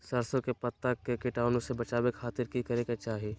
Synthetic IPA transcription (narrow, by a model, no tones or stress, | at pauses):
sɐɾsõkepɐt̪ːəkːekɪʈaːnõsebɐt͡ʃaːwekʰaːt̪ɪɾkikɐɾeket͡ʃaːɦieː